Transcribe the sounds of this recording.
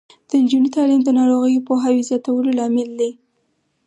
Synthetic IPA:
d̪̥əɪnd͡ʒunit̪ɑlimd̪ənɑɾoɣəjopoɦawizjɑt̪awəlolɑmɪld̪i

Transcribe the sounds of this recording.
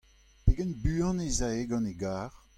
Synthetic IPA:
peɡɛnbyːɑ̃nezaeɡɑ̃neɡaːʁ

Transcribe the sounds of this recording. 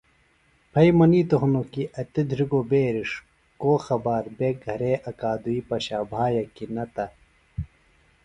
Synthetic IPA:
pʰɐjmɐniːt̪oɦnokiʔɐt̪id̪ʱɾiɡoːbeːɾiʂ | koːxɐbaːɾbeːɡʱɐɾeʔɐkaːd̪uiːpɐɕaːbʱaːjɐkinɐt̪ɐ

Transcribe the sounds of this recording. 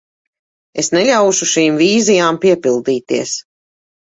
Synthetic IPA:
esnɛʎʲawʃuʃiːmviːzijaːmpiɛpilˠd̪iːt̪iɛs

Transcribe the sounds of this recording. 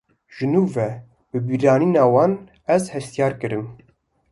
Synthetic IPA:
ʒɨnuːvɛ | b̥ɨbiːɾɑːniːnɑːwɑːn | ɛzhɛst̪ijɑːɾkɨɾɨm

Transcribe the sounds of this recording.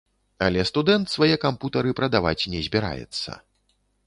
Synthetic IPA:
ɐlʲɛst̪ud̪ɛnt̪svajɛkamput̪ɐɾɨpɾɐd̪ava̰t͡sʲnʲɛzʲbʲɛɾa̰jɛ̰t̪sːɐ̰

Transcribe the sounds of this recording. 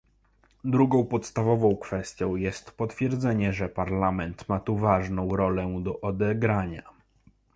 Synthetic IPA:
d̪ɾuɡɔ̃w̃pɔt̪st̪avɔvɔ̃w̃kfɛst̪ʲjɔ̃w̃jɛst̪pɔt̪fʲjɛɾd̪zɛɲɛʐɛpaɾlamɛnt̪mat̪uvaʐnɔ̃w̃ɾɔlɛd̪ɔʔɔd̪ɛɡɾaɲa

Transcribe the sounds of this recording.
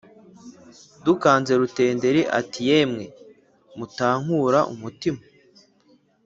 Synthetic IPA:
dukaːnze̞ɾute̞ːnde̞ɾiʔa̰tije̞ːmŋe̞ | mutaːŋ̥huɾaʔṵmutima

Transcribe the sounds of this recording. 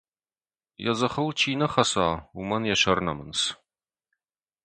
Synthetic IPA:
jɛ̰zɐχəlt͡ʃʰiːnɐχɐsaːumɐnjɛɕɐrnɐ̰mɨns

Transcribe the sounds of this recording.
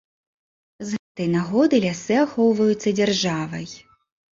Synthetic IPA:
zɣɛt̪ɐjnaɣɔd̪ɐjlʲasɨaxɔwvɐjut̪sːɐd͡zʲɛrʐavɐ̰j

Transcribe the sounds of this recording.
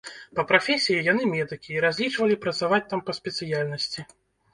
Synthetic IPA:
pɐpɾafʲɛsʲijijanɨmʲɛd̪ɨkʲiːɾazʲlʲit͡ʂvɐlʲipɾɐt̪savat͡sʲt̪ampɐsʲpʲɛt̪sɨjalʲnɐsʲt͡sʲi

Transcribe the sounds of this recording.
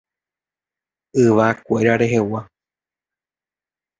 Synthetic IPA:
ɨʋakʷeɾaɾe̞ɦe̞wa

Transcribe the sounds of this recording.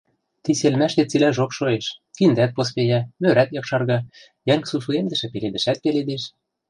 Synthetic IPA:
t̪iselmæʃt̪et͡silæʒokʃoeʃkind̪æt̪̚pos̬pejæmøɾæt̪jɑkʃɑrɣɑ | jæŋksuʃuemd̪ə̆ʃɘ̆peled̪ɘ̆ʃæt̪̚peled̪eʃ

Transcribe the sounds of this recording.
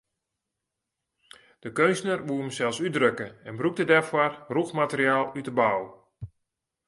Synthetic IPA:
d̥əkøɥnsnərʋuəəmsɛlˠsydrøkəɛnbruk̚dədɛrfwɔrruxmatəriaːlˠytəbaw

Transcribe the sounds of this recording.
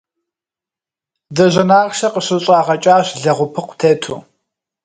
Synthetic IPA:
dɐʑɐnaːʁʃɐqəɕɨɕʼaːʁɐt͡ʃʼaːɕɮɐʁʷʊpʰɨqʷʰtʰeːtʰuː

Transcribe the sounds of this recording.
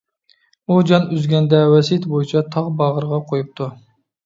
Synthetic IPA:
ud͡ʒɑnyzɡʲɛnd̪ɛwɛsit̪bojit͡ʃʰɑt̪ʰɑʁbɑʁəɾʁɑqʰojup̚t̪ʰu

